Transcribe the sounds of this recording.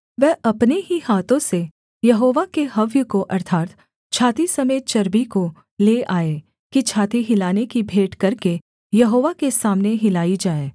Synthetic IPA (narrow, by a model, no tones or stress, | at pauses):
ʋɛːɐpneɦihaːt̪õse | jɐɦoːʋakeɦɐʋjəkoʔɐɾt̪ʰaːt̪ | t͡ʃʰaːt̪isɐmeːt̪̚t͡ʃɐɾbiko | leːaːe | kit͡ʃʰaːt̪iɦɪlaːnekibʱeːʈkɐɾke | jɐɦoːʋakesaːmneɦɪlaːid͡ʒaːeː